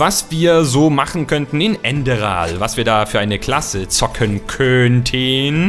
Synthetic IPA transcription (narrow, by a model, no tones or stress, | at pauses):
vasv̥iːɐzoːmaχn̩kʰœntn̩ɪnʔɛndəʁa̰ːlvasv̥iːɐdaːfyːɐʔaɪnəkl̥asət͡sɔkʰənkʰœntʰən